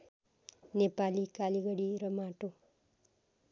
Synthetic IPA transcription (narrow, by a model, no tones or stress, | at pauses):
nepalikaliɡʌɽiɾʌmaʈo